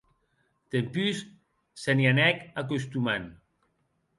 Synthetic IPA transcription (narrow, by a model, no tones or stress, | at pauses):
t̪empys | senjanɛkak̬ost̪uman